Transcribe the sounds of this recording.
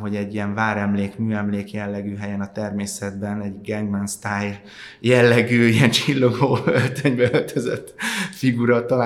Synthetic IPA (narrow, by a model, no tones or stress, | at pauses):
ɦo̞ɟɛɟːijɛɱvaːɾɛmleːkmyːɛmleːkjɛlːɛɡyːɦɛjɛnɒt̪ɛrmeːsɛd̪bɛnɛɟɡɛŋɡmɛnst̪aːjː | ɛlːɛɡyːijɛnt͡ʃilːoɡoːølt̪øɲbɛølt̪ʰøzɛt̪ːfiɡuɾɒt̪ɒlaː